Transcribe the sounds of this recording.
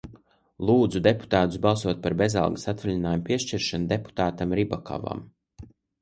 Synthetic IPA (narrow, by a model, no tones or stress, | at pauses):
lˠuːd̪zud̪epu̥t̪aːt̪usbɑlˠsuɔt̪̚paɾbe̞zɑ̰lˠɡasat̪vʲilʲinaːjumpiɛʃt͡ʃiɾʃand̪e̞pu̥t̪aːt̪amɾibakʰa̰va̰m